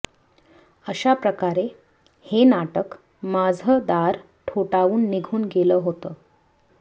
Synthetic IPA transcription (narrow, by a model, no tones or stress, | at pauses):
əɕapɾəkaɾe | henaʈək | mad͡zʱəd̪aɾ | ʈʰoʈauːnːiɡʱuːnɡeləːɦot̪əː